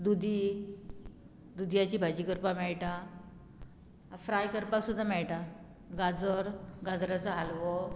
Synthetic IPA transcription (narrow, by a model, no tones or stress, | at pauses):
d̪ud̪ʱi | d̪ud̪jat͡ɕiːbʱad͡ʑikəɾpamɛɭʈa | fɾajkəɾpaksud̪ʱːamɛɭʈa | ɡad͡zəɾɡad͡zɾat͡səɦalʋo